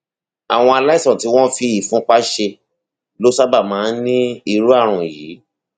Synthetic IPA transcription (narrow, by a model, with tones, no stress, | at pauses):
a̰˨w̃ɔ̃˧a˧la˦i˦˨sɔ̃˨ti˨˦w̃ɔ̃˦fi˧i˦˨fũ˦k͡pa˦ʃe˧ | lo˦sa˦ba˦˨mãː˨˦nĩ˦i˧˨ɾu˦a˦˨ɾ̃ũ˨jiː˨˦